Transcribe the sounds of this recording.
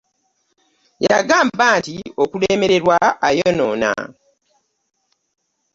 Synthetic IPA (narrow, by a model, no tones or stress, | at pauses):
jaɡaːmbantio̞kuleːme̞ɾe̞ɾwaajonoːna̰